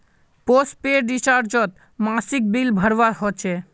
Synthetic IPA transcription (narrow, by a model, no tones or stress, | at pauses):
pos̚peɾɖit͡ɕaɾd͡ʑɔt̪ | masik̚bilbʱəɾbaɾɦot͡ʃʰe